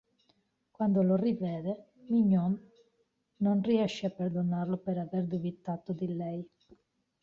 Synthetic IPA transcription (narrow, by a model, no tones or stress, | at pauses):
kwand̪olorivɛːd̪e | miɲːɔnː | onriɛʃːeapːeɾd̪onarlopeɾaverd̪ubit̪at̪od̪ilɛj